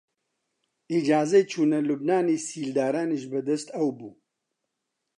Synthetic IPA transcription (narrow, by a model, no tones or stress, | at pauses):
id͡ʒaːzɛjt͡ʃʰuːnɐlubnaːneːsiːld̪aːɾaːneʒbɨd̪ɐst̪ɐwbuː